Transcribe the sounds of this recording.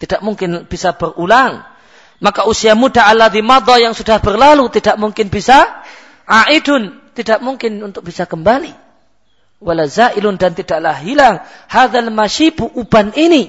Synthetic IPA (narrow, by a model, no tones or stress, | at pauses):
t̪idaʔmuŋkɪnb̥isab̥ərulaŋ | makausiamudaalːaðimɑd̪ˤɑjaŋsudahbərlalut̪idaʔmuŋkɪnbisa | ʕaʔidʊn | t̪idaʔmuŋkɪnunt̪ʊk̚b̥isakəmbali | walazaʔilʊndant̪idaʔlahɦilaŋhaðalmaʃipuʔubanini